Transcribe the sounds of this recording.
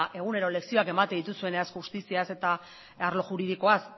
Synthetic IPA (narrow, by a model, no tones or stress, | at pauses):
ʔe̞ɣ̞une̞ɾo̞le̞ksio̞ake̞mat̪eðit̪usue̞neaskxust̪isiase̞t̪a | aɾlo̞ʝuɾið̞iko̞as